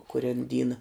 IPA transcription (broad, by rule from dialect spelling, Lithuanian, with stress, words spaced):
kʊˈrʲɛn ˈdʲiːnɐ